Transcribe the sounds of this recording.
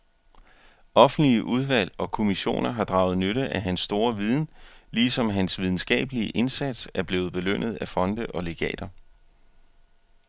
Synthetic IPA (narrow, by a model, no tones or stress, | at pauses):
ʔɒ̽fn̩̥liəʔuð̞ˠʋæl̰ɒ̽kʰo̝miɕo̝̰ːnɐɦɑ̈d̥ʁɑ̈ʊð̩ˠnøɾəʔæɦænsːd̥o̝ːɐʋið̞ˠn̩liːsɒ̽mɦænsʋið̞ˠn̩sɡ̥ɛ̰ːb̥əliəʔe̝nsæd̥sæɐb̥le̝ːð̞̩ˠb̥e̝løn̰ð̞̩ˠæfɒ̽nd̥əʔɒ̽le̝ɡ̥ɛ̰ːd̥ɐ